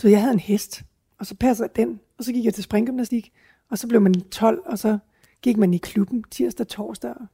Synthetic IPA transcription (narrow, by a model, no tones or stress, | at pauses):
d̥uʋejɑ̈ɦæð̞̩ˠe̝nhesd̥ | ɒ̽sɒ̽pʰæsəðˠjd̥en | ɒ̽sɒ̽ɡ̥iɡ̥jɑ̈t͡sʰe̝sb̥ʁɛŋɡ̥ymnæsd̥iɡ̥ | ɒ̽sɒ̽b̥le̝ʊmænt͡sʰɒ̽l̰ɒ̽sɒ̽ | ɡ̥iɡ̥mænikʰlub̥n̩t͡sʰiɐ̰sd̥ɐt͡sʰɒ̰ːsd̥ɐ